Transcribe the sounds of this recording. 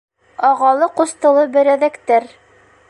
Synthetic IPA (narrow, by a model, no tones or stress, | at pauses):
ɑʁɑlˠɤqust̪ɤ̆lˠɤbɘ̆ɾæðækt̪æɾ